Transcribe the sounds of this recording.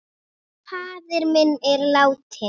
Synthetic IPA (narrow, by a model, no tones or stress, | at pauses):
pʰaːðɪɾmenɛɾlawt̪ʰɛ